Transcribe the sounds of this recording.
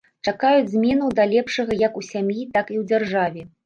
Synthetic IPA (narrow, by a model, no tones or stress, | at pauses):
t͡ʂakajud͡zʲzʲmʲɛnuwd̪alʲɛpʂɐɣɐjɐkusʲamjit̪akiwd͡zʲarʐavʲɛ